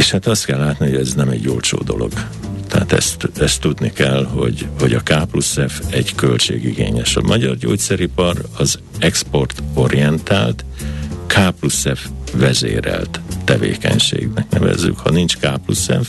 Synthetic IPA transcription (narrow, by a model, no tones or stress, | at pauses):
eʃhaːt̪ɒst̪kɛlːaːt̪nihoɛznɛmɛɟɟoːlt͡ʃo̰ːd̪o̞lo̞ɡ̥ | t̪ɛat̪ɛ̰st̪ɛst̪ːud̪nikɛlho̞ɟho̞ɟɒkaːplusɛfɛɟkø̞lt͡ʃeːɡiɡeːɲɛʃɒmʔɒɟɒrɟoːt̪sɛɾipɒrɒz | ɛkspo̞rt̪o̞ɾiɛnt̪aːlt̪ | kʰaːplusɛfvɛzeːɾɛlt̪t̪ɛveːkɛɲʃḛːɡnɛknɛvɛ̰zːy̰khɒ̰nint͡ʃkaːplusɛf